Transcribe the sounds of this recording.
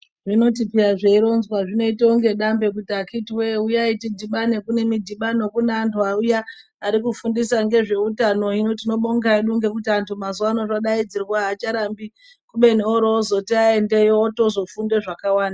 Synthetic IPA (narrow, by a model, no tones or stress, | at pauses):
ʐino̞t̬ipiaʐeiɾo̞nzwaʐino̞itouŋɡe̞ɗambe̞kutakitiwe̞ujaitidʱiɓane̞kune̞midʱiɓano̞kuneantʰuaujaː | ɾikufundisaŋɡe̞ʐe̞utano̞ino̞tino̞ɓo̞ŋɡaiɗuŋɡe̞k̬utiantʰumazuwano̞ʐaɗaid͡zirwaːt͡ʃaɾambi | kuɓe̞neoɾoːzo̞tiaende̞joto̞zo̞funde̞ʐakawaːnda